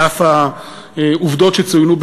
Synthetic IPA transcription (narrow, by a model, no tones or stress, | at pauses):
afa | uvd̪ot̪ʃet͡sujnub